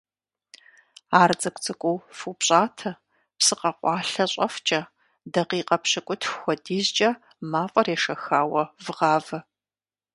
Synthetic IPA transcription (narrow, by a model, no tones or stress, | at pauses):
aːrd͡zɐkʷʼt͡sʰʼɨkʷʼowfupɕʼaːtʰɐ | psɨqɐqʷɑːɬɐɕʼɐ̰ft͡ʃʼɐ | dɐqiːqʼɐpʰɕɨkʷʼʊtʰxʷɔdiːzt͡ʃʼɐ | maːfʼɐreːʂɐxaːwɐvɨʁaːvɐ